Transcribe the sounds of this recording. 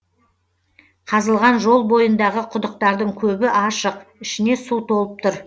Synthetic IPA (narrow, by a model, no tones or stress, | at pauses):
qʰɑzəlˠʁɑnʒo̞lˠbo̞jənd̪ɑʁəqʰʊd̪əq̚t̪ɑɾd̪əɴkʲʰɵbɪʔɑʃəqɪʃɪne̞suwt̪o̞lˠəp̚t̪ʊɾ